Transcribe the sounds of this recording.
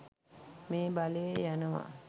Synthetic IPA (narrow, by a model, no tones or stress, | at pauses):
meːbaləjejænəʋa̰